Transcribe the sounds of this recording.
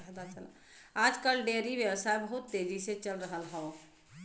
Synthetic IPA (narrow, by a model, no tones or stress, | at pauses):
ɦd̪at͡ʃəl | ad͡ʒkəlɖeɾiʋjəwsaebəɦut̪ːed͡ʒiset͡ʃəlɾəɦəlɦəo